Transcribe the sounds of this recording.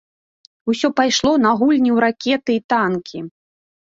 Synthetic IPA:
usʲɔpajʂlˠɔnɐɣulʲnʲiwɾakʲɛt̪ɨit̪ankʲʰi

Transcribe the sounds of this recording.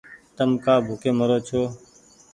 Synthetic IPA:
t̪əmkaːbʱʊkeːməɾoːt͡ʃʰoː

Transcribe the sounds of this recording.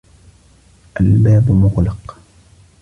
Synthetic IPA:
ʔalbaːbmʊɣlɑq

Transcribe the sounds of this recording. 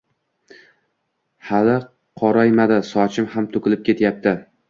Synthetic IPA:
halɪ | qʰɒɾajmad̪ɪsɒt͡ʃʰɪmhamt̪ʰʊkʲɪlɪp̚kʲe̞t̪jap̚t̪ʰɪ

